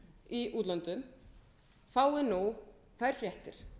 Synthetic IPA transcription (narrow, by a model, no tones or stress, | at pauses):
iʔuːt̪lant̪ʏm | faːwɪnu | θajɾ̥fljɛht̪ɪɾ̥